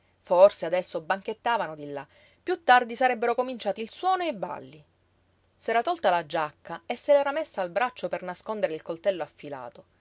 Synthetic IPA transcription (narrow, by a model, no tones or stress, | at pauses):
forsead̪ɛsːobaŋket̪ːaːvanod̪ilːa | pːjut̪ːard̪isaɾɛbːeɾokomint͡ʃaːt̪ilswɔːnoeba̰lːi | sɛːɾat̪ɔlt̪alad͡ʒakːaesːelɛːɾamesːaːlbɾat͡ʃːopernaskond̪eɾeilkolt̪ɛlːoafːila̰ːt̪o